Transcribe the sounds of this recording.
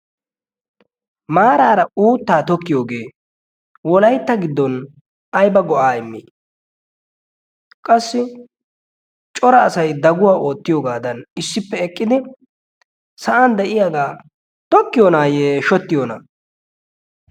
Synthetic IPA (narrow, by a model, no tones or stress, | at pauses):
maːɾaːɾɐuːt̪ːaːt̪ɔkːɪjoːɡe̞ː | wɔlɐjt̪ːɐɡɪd̪ːɔn | ɐjbɐɡɔʔaːɪmːiː | kʼɐsːɪ | t͡ʃʼɔɾɐːsɐjd̪ɐɡʊwaːʔo̞ːt̪ːɪjoːɡaːd̪ɐnɪsːɪpːɛɛkʼːɪd̪ɪ | sɐʔɐnd̪ɛʔɪjaɡaː | t̪ɔkːɪjonaːjeːʃɔt̪ːɪjona̰